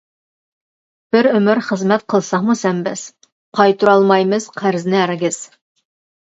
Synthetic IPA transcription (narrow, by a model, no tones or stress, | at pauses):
b̥ɪɾɵmɪɾχəzmɛt̪̚qʰəlˠsɑqmusɛmbɪz̥ | qʰɑjt̪ʰuɾɑlˠmɑjmɨz̥qʰæɾznɪæɾɡʲɪz̥